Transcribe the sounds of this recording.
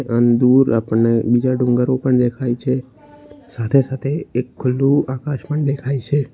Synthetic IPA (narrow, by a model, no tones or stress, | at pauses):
ʔənd̪uɾapəɳnebid͡ʒaɖʊ̃ŋɡəɾopəɳd̪ekʰajt͡ʃʰe | sat̪ʰesat̪ʰeekʰːʊlːũakaʃpəɳd̪ekʰait͡ʃʰe